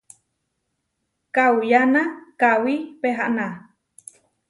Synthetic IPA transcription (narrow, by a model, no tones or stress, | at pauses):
kawjanakawipeɦaʔna